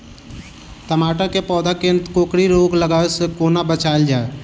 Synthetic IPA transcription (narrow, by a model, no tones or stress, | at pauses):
t̪əmaːʈakepɔːd̪akẽnt̪koːkɽiɾoːɡləɡaːsəkoːnabət͡ʃaːld͡ʒaːe